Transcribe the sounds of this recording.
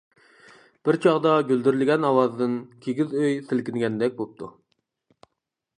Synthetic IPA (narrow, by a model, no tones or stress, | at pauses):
b̥ɪɾt͡ʃʰɑʁd̪ɑɡʲøld̪yɾlɪɡʲɛnɑwɑzd̪ɨnkʲʰeɡʲizøjsɪlkʲinɪɡʲɛnd̪ɛk̚ʲbop̚t̪ʰu